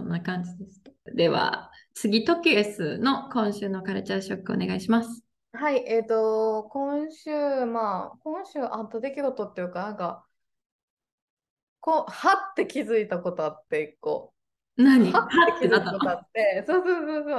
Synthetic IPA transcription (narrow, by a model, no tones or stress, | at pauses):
õnːakãɲ̟d͡ʑid̪esɨ̥tḁd̪e̞βa̰ | t͡sɨɡʲit̪o̞kʲɯesɨno̞kõ̞ɰ̃ɕɨːno̞kaɾɯt͡ɕaɕo̞kːɯ̟o̰ne̞ɡaiɕimasɨ̥ | haiʔe̞t̪o̞kõ̞ɰ̃ɕɨːmakõ̞ɰ̃ɕɨːʔat̪ːod̪e̞kʲiɡo̞t̪o̞t̪ːejɯkanãka | kõhat̪ːe̞kʲizɨit̪ako̞t̪o̞at̪ːe̞ikːo̰ː | naɲiahat̪ːekizit̪aakooat̪ːesoːsoːsoːsoː